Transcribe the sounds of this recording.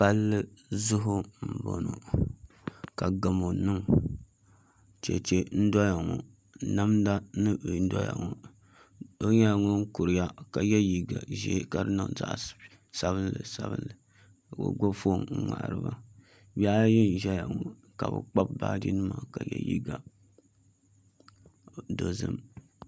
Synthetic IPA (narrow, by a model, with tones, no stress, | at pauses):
pa˦lːɨ˦zʊ˦ɦʊ˦m̩˨bo̰˨no˨ | ka˨ɡa˨mo˨nɨ˦ŋ | t͡ʃḛ˨t͡ʃe˦n̩˦dɔ˦ja˨ŋɔ˨ | na˦mda˦nɨ˦˨˦dɔ̰˦ja̰˨ŋɔ˨ | o˦ɲɛ˦ja˨ŋo˦ŋ̩˦kʊ˨ɾɨ˨˦ja˦ka˨jɛ˦ji˨ɡa̰˨ʒḛː˨˦ka˨ɾɨ˦na̰˨n˨za̰˦ʔ | sa˨βɨ˦n˦lɨ̰˨sa˦bɨ̰˦nlɨ˨ | o̰˨ɡ͡bo˦fo˦˨ŋ̩˦ŋa̰˨ʔɾɨ˦ba˦ | ba˦ji˦n˨ʒɛ˦ja˨ŋɔ˨ | ka˨bɨ̰˨k͡pa˦b̚ba̰ː˦di˦nɨ˦ma˨ka˨jɛ̰˦jḭ˦ɡa˨ | do˨zɨ̰˦m